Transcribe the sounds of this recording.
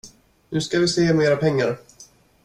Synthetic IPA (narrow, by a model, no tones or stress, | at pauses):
nʉ̟ːskavɪseːmeːɾapʰɛŋːa̰ɾ